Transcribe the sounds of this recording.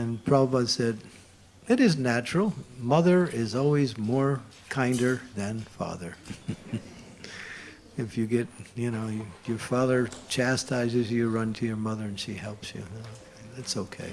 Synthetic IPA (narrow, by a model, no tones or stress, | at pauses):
ɨ̃npʰɹ̥ɑəbasɛd | ɨɾɨznæt͡ʃɹ̥l̩ˠmʌðə˞ɪzɔlˠwizmɔɹ | kʰãɪ̃ndə˞ðɨ̃nfɑ̰ðə˞ | ɨfjɨɡɛt̚jɨnoʊjjə˞fɑðə˞t͡ʃʰæstʰaɪzɨzjɨɹʌ̃ntʰɨjə˞mʌðə˞ɨ̃nʃihɛlˠpsjʉ̰o | ðætsoʊkʰḛɪ